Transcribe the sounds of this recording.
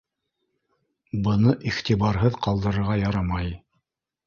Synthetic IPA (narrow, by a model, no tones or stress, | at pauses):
bɤ̆nɤʔiχt̪iβɑɾɦɤðqɑlˠd̪ɤ̆ɾɤ̆ɾʁɑjɑɾɑmɑj